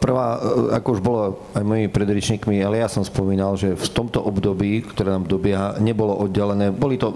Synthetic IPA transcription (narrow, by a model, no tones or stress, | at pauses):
pr̩ʋaːa̰kɔuʒbɔlɔ | ajmɔjimipɾɛd̪ɾɛt͡ʃɲiːkmialɛjasɔmspɔmiːnalʒɛft̪ɔmt̪ɔʔɔbd̪ɔbiːkt̪ɔɾɛːnaːmd̪ɔbɪɛɦaɲɛbɔlɔʔɔd̪ɟɛlɛnɛːbɔlit̪ɔ